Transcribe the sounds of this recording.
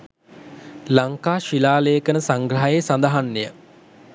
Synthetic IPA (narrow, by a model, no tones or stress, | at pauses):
laŋkaːʃilaːlejəkənəsaŋɡrəɦajesand̪əɦanːejə